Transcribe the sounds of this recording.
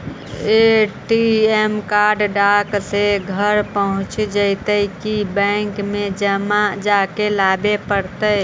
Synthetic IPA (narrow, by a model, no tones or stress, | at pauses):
eʈiemkaɾɖɖakseɡʱəɾpəɦʊ̃t͡ʃd͡ʒəɪt̪əkibə̃ŋkmẽd͡ʒəmad͡ʒakelabepəɾt̪ə